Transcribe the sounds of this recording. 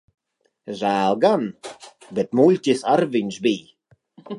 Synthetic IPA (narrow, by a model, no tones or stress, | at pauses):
ʒaːlˠɡanbɪt̪mulʲtɪsaɾvɪnʃbiː